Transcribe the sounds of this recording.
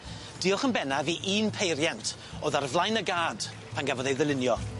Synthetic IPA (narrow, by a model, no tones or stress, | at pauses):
d̥ɪʊχənbɛnaviːʔiːnpʰejɾjantʰ | oːðarvlˠajnəɡaːd̥ | pʰanɡavɔðejðəlˠɪnjɔ